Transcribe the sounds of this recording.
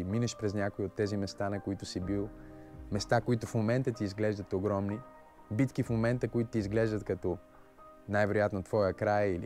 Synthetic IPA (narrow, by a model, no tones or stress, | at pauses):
minəʃpɾɛznʲakoiot̪ːɛzimɛst̪anɐkoit̪ʊsibilˠmɛst̪akoit̪ʊfmomɛnt̪ət̪iːzɡlɛʒd̪ət̪oɡɾɔmni | bit̪kifmomɛnt̪əkoit̪ʊt̪izɡlɛʒd̪ət̪kɐt̪ɔ | najvɛɾojat̪not̪vɔjəkɾajili